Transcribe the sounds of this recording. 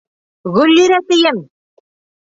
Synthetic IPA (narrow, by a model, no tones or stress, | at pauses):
ɣʉlʲːiɾæsɘ̆jɘm